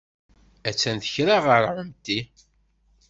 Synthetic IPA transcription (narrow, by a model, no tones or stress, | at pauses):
æt͡sːænθəçɾaʁəɾʕəmt̪i